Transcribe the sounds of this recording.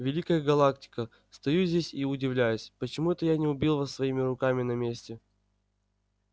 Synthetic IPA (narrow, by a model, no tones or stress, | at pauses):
vʲɪlʲikəjəɡɐlˠaktʲɪ̥kə | st̪ɐjuzʲdʲesʲiʊdʲɪvlʲæjʊsʲpət͡ɕɪmuɛt̪əjanʲɪʊbʲilˠvasvɐimʲɪɾʊkamʲɪnɐmʲesʲtʲɪ